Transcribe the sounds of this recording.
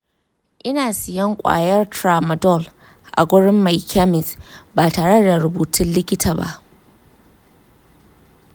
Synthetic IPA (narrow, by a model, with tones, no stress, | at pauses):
ʔɪ˦naː˨sɪ˨jɐ˦ŋkʷʼa̰ː˨jɐ˦rtɾaː˨mɐ˨dɔ˦˨l | ʔa̰˨ɡʷʊ˦ɽɪ˦mːa˨jkʰa˦mɪ˨sbaː˨taː˨ɽɐ˦da˨ɾʊ˨buː˨tʰɪ˦nlɪ˦kʲɪ˦tʰaː˨ba̰˦ʔ